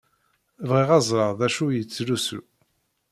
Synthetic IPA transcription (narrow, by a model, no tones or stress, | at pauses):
vʁiʁɑzˤɾəʁðæʃujət͡sːlusṵ